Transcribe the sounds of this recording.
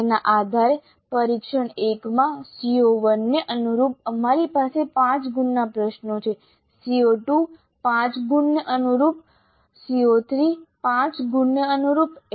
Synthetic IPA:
naʔad̪ʱaɾe | pəɾikʃəɳekmãsioʋənːəʔənuɾup̚əmaɾipasepãt͡ʃɡunːapɾəʃnot͡ʃʰe | sioʈu | pãt͡ʃɡunːəʔənuɾup̚ | siot̪ʰɾipãt͡ʃɡunːəənuɾup

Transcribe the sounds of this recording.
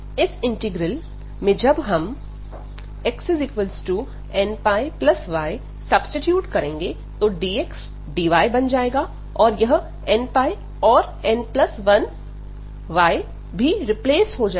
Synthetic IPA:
ɪsɪ̃ɳʈɪɡɾəl | mẽd͡ʒɐbɦɐm | ɛksɪzɪkʋəlsʈu | ɛnpaːɪplɐsʋaːɪ | sɐbsʈɪʈjuːʈkɐɾẽːŋɡe | t̪oɖiːeks | ɖiːʋaːɪbɐnd͡ʒaːeːɡa | ɔːɾjɐɦ | ɛnpaːi | ɔːɾ | ɛnplɐsʋɐn | ʋaːɪ | bʱiɾɪpleːsɦod͡ʒa

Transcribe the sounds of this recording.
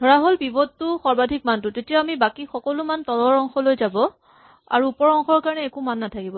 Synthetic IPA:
dʱɔɹaɦolbibɔttʊxɔɹbadʱik̚mantʊtetijaamibakixɔkɔlʊmantɔlɔɹɔŋxɔlojzabɔ | a̰ɹuːpɔɹɔŋxɔɹkaɹɔnɛɛkumanːatʰakibɔ

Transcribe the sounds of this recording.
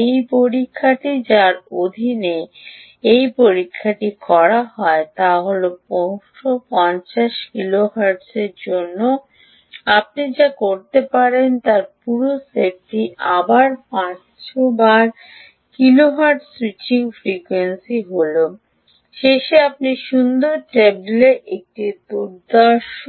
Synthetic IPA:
ejpoɾikʰːaʈid͡ʑaɾod̪ʱine | ejpoɾikʰːaʈikɔɾaɦɔet̪aɦolopowʃopɔɲt͡ɕaʃkiloɦaɾɖseɾd͡ʑonːo | ap̚nid͡ʑakoɾt̪epaɾent̪aɾpuɾosep̚ʈiʔabaɾpã | ʃobaɾ | kiloɦaɾʈswit͡ɕiŋfɾikwensiɦolo | ʃeʃeapniʃund̪oɾʈebleʔek̚ʈid̪uɾd̪aʃ

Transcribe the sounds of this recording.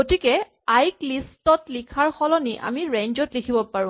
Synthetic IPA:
ɡotikɛ | ajklistɔtlikʰaɹxɔlɔniʔa̰miɹeɲd͡ʒɔtlikʰibɔpaɹʊ̃

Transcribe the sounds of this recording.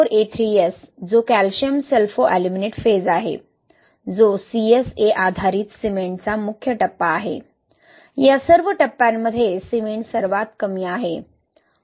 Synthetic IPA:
oɾet̪ʰɾiesd͡zokælɕəmselfoʔælimineʈfed͡zaɦḛ | d͡zosieseʔad̪ʱaɾiːt̪simeɳʈt͡samukʰjəʈəpːaːɦḛ | jasəɾʋəʈəpːãmːəd̪ʱːjesimeɳʈsəɾʋat̪kəmiaɦe

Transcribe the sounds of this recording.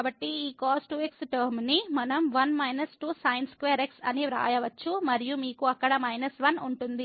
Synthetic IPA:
bɐʈːiiːkaːsʈuːeksʈɐɾmnimɐnɐmʋɐnmɐjnɐsʈuːsɐjnskʋeːɾeksɐniɾa̰ːjɐʋɐt͡ʃːumɐɾijumiːkuɐkːɐɽɐmɐjnɐsʋɐnuɳʈund̪i

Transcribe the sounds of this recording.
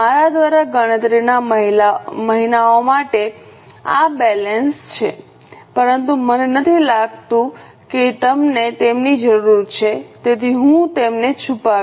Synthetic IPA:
aɾad̪ʋaɾaɡəɽ̃ə̃t̪ɾinaməɦilaməɦinaomaʈe | a̰bɛlənst͡ʃʰḛ | pəɾənt̪umənenət̪ʰilaɡt̪ũ | ket̪əmnet̪emnid͡ʒəɾuɾt͡ʃʰet̪et̪ʰiɦũt̪emnet͡ʃʰupa

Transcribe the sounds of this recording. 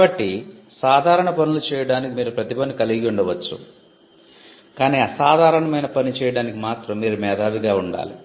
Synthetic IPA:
bɐʈːisaːd̪ʱaːɾɐɳɐpɐnulut͡ʃɛːjɐɽaːnikimiːɾupɾɐt̪ipɐnikɐliɡɡiuɳɖɐʋɐt͡ʃːṵ | kaːniːɐsaːd̪ʱaːɾɐɳɐmɐjnɐpɐnit͡ʃɛːjɐɽaːnikimaːt̪ɾɐmːiːɾumɛːd̪ʱaːʋiɡ̪aːuɳɖa̰ːlḭ

